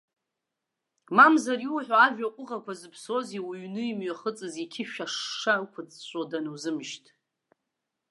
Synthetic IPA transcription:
mamzaɾiwħʷᶣaaʒᶣakʷʼʊʁakʷʰazɨpʰso̞ziwiɥnɨimɥaχət͡sʼɨzikʲʰɪʃᶣaʂːakʷʰʊt͡st͡ʃʷʼodanɨwzɨmʃtʼ

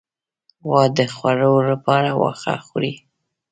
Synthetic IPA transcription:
wɑd̪əxwaɾolapɑɾawɑ̰xa̰xɾi

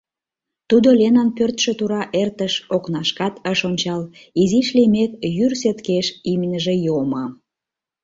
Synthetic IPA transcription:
t̪ud̪olʲenɑnpørt̪ʃə̆t̪uɾɑʔert̪əʃoknɑʃkɑt̪əʃonʲt͡ɕɑliziʃlimekjyrset̪keʃimnʲəʒĕjomɑ

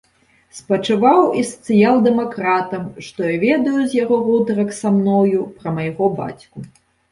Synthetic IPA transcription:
spɐt͡ʂɨvawisɐ̥t̪sɨjalˠd̪ɛmakɾat̪ɐmʂt̪ɔjavʲɛd̪ɐjuzʲjaɣɔɣɔd̪ɐɾɐksamnɔjupɾɐmɐjɣɔba̰t͡sʲku

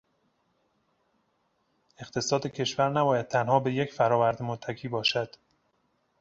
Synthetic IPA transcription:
e̞xt̪ʰe̞sɒːd̪ecʰe̞ʃvæɾnæbɒːjæd̪̥̚t̪ʰænhɒːbe̞jecfæɾɒːvæɾd̪emot̪ʰːæcʰiːbɒːʃæd̪̥

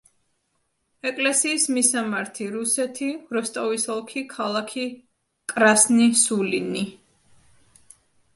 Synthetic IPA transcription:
ɛkʼlɛsiːsmisamaɾt̪ʰiɾusɛt̪ʰiɾɔst̪ʼɔvisɔlˠkʰikʰalˠakʰi | kʼɾasnisulini

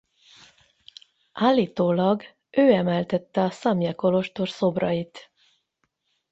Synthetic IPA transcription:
ʔaːlːiːt̪oːlɒɡ | øːɛmɛlt̪ɛt̪ːɛɒsɒmjɛko̞lo̞ʃt̪o̞rso̞brɒjit̪

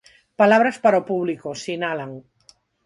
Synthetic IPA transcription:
palaβ̞ɾaspaɾopuβlikosinalaŋ

